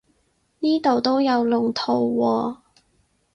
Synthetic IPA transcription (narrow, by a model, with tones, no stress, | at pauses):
niː˥t̪o˨wt̪o˥wjɐ˨˧wlʊ˨˩ŋt̪ʰo˨˧wːɔː˧